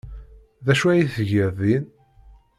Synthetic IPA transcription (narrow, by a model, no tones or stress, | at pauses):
ðæʃuæjiθəʝəɾðin